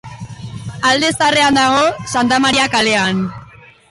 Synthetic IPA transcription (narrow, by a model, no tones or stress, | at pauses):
ald̪e̞sare̞and̪aɣ̞o̞sant̪amaɾiakale̞an